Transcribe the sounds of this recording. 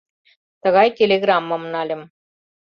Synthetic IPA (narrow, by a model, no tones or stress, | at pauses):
t̪ɤ̆ɣɑjtʲelʲeɡramːəm̆nɑlʲɘ̆m